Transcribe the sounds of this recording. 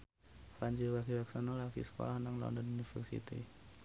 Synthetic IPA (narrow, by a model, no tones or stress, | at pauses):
fɾaɲd͡ʒiwaɡiwaksanolaɡḭsə̥ko̰lahnaŋlɔ̰ndɔnunifɛrsḭt̪ḭ